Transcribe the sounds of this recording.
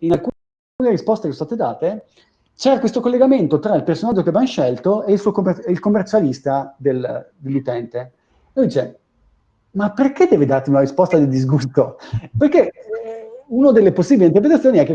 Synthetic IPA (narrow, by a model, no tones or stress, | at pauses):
inalkuː | lkuːneɾispɔst̪ekesost̪aːt̪ed̪aːt̪e | t͡ʃɛːɾakwest̪okolːeɡament̪ot̪ɾailpersonad͡ʒːokeavanʃɛlt̪oeilsuːokomeilkomːert͡ʃalist̪ad̪eld̪elːut̪ɛnt̪e | ojd̪it͡ʃe | mapːerked̪ːɛːved̪art̪emiunaɾispɔst̪ad̪id̪izɡust̪operke | unad̪elːeposːiːbilint̪erpɾet̪at̪sːjoːniɛkːe